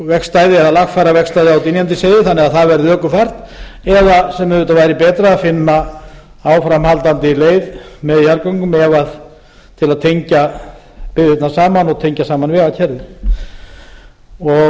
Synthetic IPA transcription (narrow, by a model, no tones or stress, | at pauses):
vɛkst̪ajðɪɛðalaxfajɾavɛkst̪ajðɪawt̪injant̪ɪseːjðɪθanːɛɣaðθaðvɛɾðɪœkʏfar̥t̪ | ɛðasɛmːɛðvʏːt̪avaːjɾɪpɛːt̪ɾaaðfɪnːa | awfɾamhalt̪ant̪ɪleːjðmɛðçaɾkɔŋkʏmɛvað | t̪ʰɪlaðt̪ʰejɲca | pɪðɪt̪nasaːmanɔɣt̪ʰejɲcasaːmanvɛːɣacʰɛɾðʏ | ɔ